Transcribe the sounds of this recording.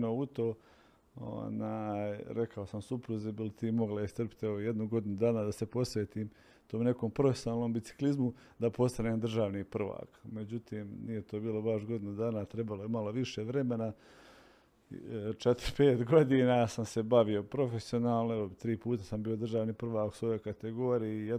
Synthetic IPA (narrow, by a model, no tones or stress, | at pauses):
nout̪o̞ː | o̰najɾe̞kʰao̞samsupɾuzebilit̪iːmo̞ɡlaist̪r̩pi̥t̪eʋoje̞d̪nuɡo̞d̪inud̪aːnad̪ase̞po̞sʋe̞ːt̪iːm | t̪oːmne̞ko̞ːmpɾofesʲonaːlˠno̞ːmbit̪si̥klizmu | d̪apo̞st̪aneːmd̪r̩ʒaːʋnipr̩ʋa̰ːkme̞d͡ʑut̪iːmnije̞t̪oːbiːlobaʃɡo̞d̪inud̪aːnat̪ɾe̞balojemalo̞ʋiʃe̞ːʋɾe̞me̞na | t͡ʃet̪ɾpeːt̪ɡo̞d̪iːnasamse̞baʋio̞pɾo̞fe̞sio̞naːlˠnoeʋo̞bit̪ɾiːpuːt̪asambiːjo̞d̪r̩ʒaːʋniːpr̩ʋaːku̥sʋo̞jojkat̪e̞ɡo̞ːɾijije